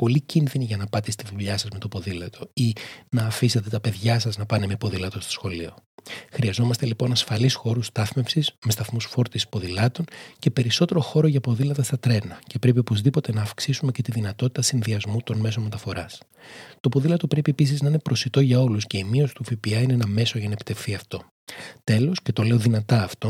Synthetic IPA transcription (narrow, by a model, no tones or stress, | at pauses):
po̞licinðiniʝɐnɐpɐt̪est̪iðuʎɐsɐzme̞t̪o̞po̞ðilɐt̪o̞inɐːfise̞t̪e̞t̪ɐpeðʝɐsɐznɐpɐne̞mepo̞ðilɐt̪o̞st̪osxo̞lio̞xɾiɐzo̞mɐst̪e̞lipo̞nɐsfɐlisxo̞ɾust̪ɐθme̞fsizme̞st̪ɐθmusfo̞ɾt̪ispo̞ðilɐt̪o̞nce̞pe̞ɾiso̞t̪e̞ɾo̞xo̞ɾo̞ʝɐpo̞ðilɐt̪ɐst̪ɐt̪ɾe̞nɐce̞pɾe̞p̬io̞po̞zðipo̞t̪e̞nɐːfksisume̞ce̞t̪iðinɐt̪o̞t̪i̥t̪ɐsinðiɐzmut̪o̞nme̞so̞nmet̪ɐfo̞ɾɐs | t̪o̞po̞ðilɐt̪o̞pɾe̞piepisiznɐinepɾo̞sit̪o̞ʝɐo̞lusce̞imio̞si̥t̪ufipiɐineenɐme̞so̞ʝɐnɐepi̥t̪e̞fθiɐft̪o̞ | t̪e̞lo̞sce̞t̪o̞le̞o̞ðinɐt̪ɐːft̪o̞